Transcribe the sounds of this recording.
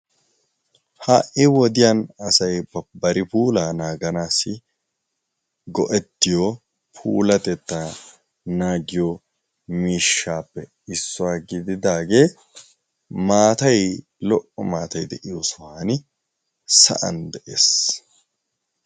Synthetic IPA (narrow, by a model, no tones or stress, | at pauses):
haːʔɪwɔd̪ɪjanɐsɐjbɐbɐɾɪpuːlaːnaːɡɐnaːsːɪ | ɡɔʔɛt̪ːɪjo | pʰṵːlɐt̪ɛt̪ːa | naːɡɪjo | miːʃːaːpːɛ | ɪsːɔwaːɡɪd̪ɪd̪aːɡe̞ː | maːt̪ɐj | lɔʔɔmaːt̪ɐjd̪ɛʔɪjosɔwaːnɪ | sɐ̰ʔɐ̰nd̪ɛʔeːs